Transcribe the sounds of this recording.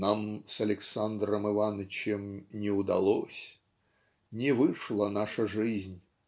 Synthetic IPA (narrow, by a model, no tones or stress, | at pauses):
namsɐlʲɪksand̪ɾəmɨvanət͡ɕɪmnʲɪʊd̪ɐlˠosʲ | nʲɪvɨʂlˠənaʂəʐɨzʲnʲ